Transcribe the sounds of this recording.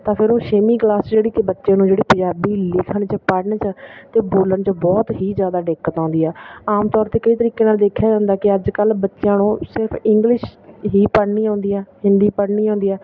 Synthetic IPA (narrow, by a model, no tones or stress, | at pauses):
t̪ãːpʰɪɾoːʃeːmiːklaːsd͡ʒeːɽiːt̪eːbətːʃãːnũːd͡ʒeːɽiːpə̃d͡ʒaːbiːlɪkʰəɳt͡ʃəpəɽɳt͡ʃət̪eːboːləɳt͡ʃəbɔːt̪ɦiːzjaːd̪aːɖɪkːət̪ãːnd̪iːɛːaːmt̪ɔːɾt̪eːkəiːt̪əɾiːkeːnaːld̪eːkʰːjaːd͡ʒãːnd̪aːkɪəd͡ʒkəlbətːʃjãːnũːsɪɾpʰɪŋɡlɪʃɦiːpəɽniːãːnd̪iːɛːɦɪnd̪iːpəɽɳiːãːnd̪iːɛː